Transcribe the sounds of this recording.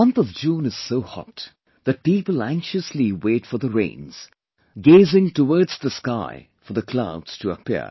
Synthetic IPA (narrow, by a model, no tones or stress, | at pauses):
ʌ̃nθʌvd͡ʒũnɨz̥soʊhɑ̰t | ðɨt̚pipəl̩ˠæ̃ŋkʃəsliweɪtfə˞ðəɹḛ̃ɪ̃nz̥ | ɡeɪzɪ̃ŋtəwɔɹdz̥ðəska̰ɪ | fə˞ðəkʰl̥aʊdz̥tʰəə̰pʰḭɹ